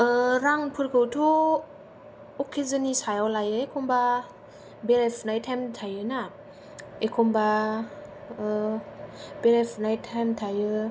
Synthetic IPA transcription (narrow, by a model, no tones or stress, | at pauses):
ɾaŋpʰɯɾkʰɯwtʰu | ɔkʰezɯnisajawlajɯekʰɔmba | beɾepʰnajtʰamtʰajɯna | ekʰɔmba | beɾepʰnajtʰamtʰajɯ